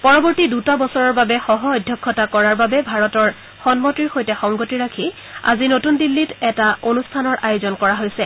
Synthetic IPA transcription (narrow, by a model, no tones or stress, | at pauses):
pɔɹɔbɔɹtidutabɔsɔɹɔɹbabɛxɔɦɔːjdʱjɔkʰːɔtakɔɹaɹbabɛbʱaɹɔtɔɹ | xɔnmotɹiɹxojtɛxɔŋɡotiɹakʰi | a̰zinotundilːitɛtaonustʰanɔɹʔajozɔnkɔɹaɦojsɛ